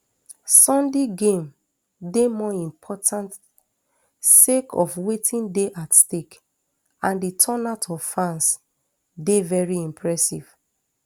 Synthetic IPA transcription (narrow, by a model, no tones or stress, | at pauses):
sɔ̃ndeɡẽm | demɔĩmpʰɔtʰãnt | sekʰɔ̰fwetʰĩndeʔatstek | ãnditʰɔnatʰɔv̥fãns | devɛɹiĩmpʰɹɛsḭv̥